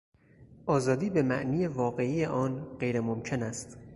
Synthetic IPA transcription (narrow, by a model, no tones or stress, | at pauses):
ʔɒːzɒːd̪iːbe̞mæʔniːjevɒːɣe̞ijeʔɒːnɢejɾemomcʰe̞næst̪